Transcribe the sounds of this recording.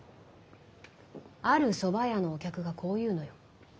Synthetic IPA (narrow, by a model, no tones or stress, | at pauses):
aɾɯ̟so̞bajano̞ːkʲakɯ̟ɡakʰo̞ːjɯ̟ːno̞jo̞